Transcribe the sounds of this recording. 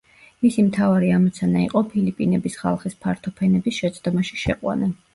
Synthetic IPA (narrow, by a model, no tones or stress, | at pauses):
misimt̪ʰavaɾiamɔt̪sʰanaḭqʼɔpʰilipʼinɛbisχa̰lˠχispʰaɾt̪ʰɔpʰɛnɛbisʃɛt̪sʰd̪ɔmaʃi̥ʃɛqʼwa̰na